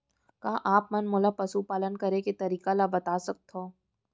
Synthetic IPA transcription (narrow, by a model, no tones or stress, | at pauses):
kaːʔaːpmɐnmoːlapɐsupaːlənkɐɾeket̪ɐɾiːkalabɐt̪aːsɐk̚t̪ʰoː